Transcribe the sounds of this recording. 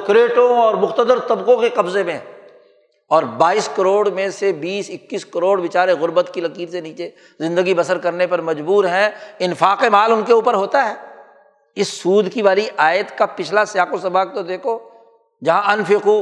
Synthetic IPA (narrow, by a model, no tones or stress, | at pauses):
kɾeːʈõɔːɾmʊxt̪əd̪əɾt̪ɐbqõkeqɐbzemẽ | ɔːɾbaːiːskɐɾoːɽmẽsebiːsɪkːiskɐɾoːɽʋɪt͡ʃaːɾeɣʊɾbət̪kilɐkiːɾseniːt͡ʃe | zɪ̃nd̪əɡibɐsəɾkɐɾnepɐɾmɐd͡ʒbuːɾɦɛ̃ɪnfaːqemaːlʊnkeuːpəɾɦoːt̪aɦɛː | ɪsːuːd̪kiʋaːliʔaːjt̪kapɪt͡ʃʰlasɪjaːkosɐbaːk̚t̪od̪eːkʰo | d͡ʒɐɦãɐnfɪqu